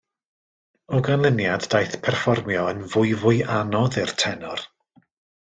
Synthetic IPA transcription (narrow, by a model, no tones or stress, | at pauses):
ɔɡanlˠənjadːajθpʰɛrfɔrmjɔənvʊɨvʊɨanɔðɪr̥tʰɛnɔr